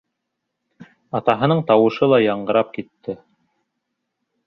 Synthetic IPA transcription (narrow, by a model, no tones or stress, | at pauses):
ɑt̪ɑɦɤ̆nɤɴt̪ɑwɤ̆ʃɤlˠɑjɑɴɢɤ̆ɾɑp̚kit̪ːɘ